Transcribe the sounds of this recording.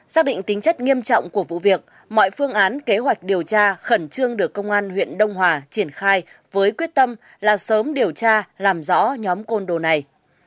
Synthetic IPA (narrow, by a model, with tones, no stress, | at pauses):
saː˦˥k̚ɗḭ˧˨ŋ̟t̪ï˨˦ŋ̟t͡ɕə˦˥k̟̚ŋi˧əmt͡ɕɔ̰˧˨wŋ͡mku˧˩əvṵ˧˨vi˨˩ək̚ | mɔ̰˧˨jfɨ˧əŋʔaː˨˦nke˨˦ɦwa˨˩jk̟̚ɗi˨˩əwt͡ɕaː˧xə˧˩nt͡ɕɨ˧əŋɗɨ˨˩əkːə˧wŋ͡mʔaː˧nhwḭ˧˨ənɗə˧wŋ͡mɦwaː˨˩t͡ɕi˧˩ənxaː˧jvəː˨˦jkwi˦˥ət̚t̪ə˧m | laː˨˩səː˨˦mɗi˨˩əwt͡ɕaː˧laː˨˩mzɔ̰˧˥ɲɔ˨˦mko˧nɗo˨˩na˨˩j